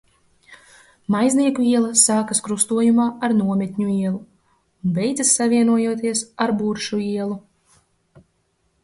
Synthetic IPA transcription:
majzniɛkuiɛlˠasaːkaskɾust̪uɔjumaːaɾnuɔmʲɛt̪ʲɲuiɛlˠu | unbɛjd̪zasːavʲiɛnuɔjuɔt̪̬iɛsaɾbuɾʃuiɛlˠu

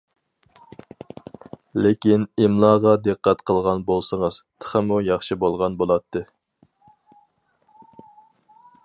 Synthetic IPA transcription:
lɪkʲinimlˠɑːʁɑd̪ɨqːæt̪qʰəlˠʁɑnbolˠsəŋəz̥t̪ʰə̥χəmujɑχʃibolˠʁɑnbolˠɑt̪ʰːɨ

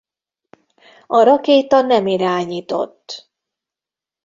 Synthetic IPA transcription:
ɒɾɒkeːt̪ɒnɛmiɾaːɲiːt̪o̞̰t̪ː

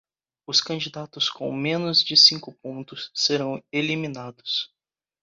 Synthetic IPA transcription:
ʊskɐ̃d͡ʒid̪at̪ʊskʰõ̰w̃mẽnʊzd͡ʒɪsĩŋkʊpõnt̪ʊsːeɾɐ̃w̃elimĩnad̪ʊs

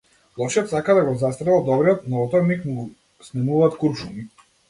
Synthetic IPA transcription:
lˠɔʃɛt̪sakad̪aɡɔzast̪ɾɛlˠad̪ɔbɾɛɔt̪nɔɔt̪ɔɾnikmu | snɛmuvaːt̪kuɾʃumi

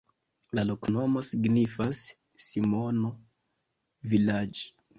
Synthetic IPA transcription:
lalo̞kno̞mo̞siɡnifasː | imono | vilad͡ʒi

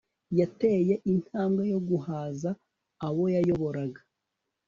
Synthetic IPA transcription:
jate̞je̞ʔin̥haːmɡejo̞ɡuhaːzaː | wo̞jajo̞βo̞ɾaɡa

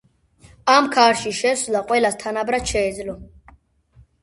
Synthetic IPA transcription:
amkʰaːɾʃiʃɛsulaqʼwɛlast̪ʰanabɾat͡ʃʰɛːd͡zlɔ

